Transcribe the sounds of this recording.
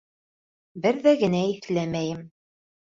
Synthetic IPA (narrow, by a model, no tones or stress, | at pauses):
bɘɾðæɡɘ̆næiθlæmæjɘm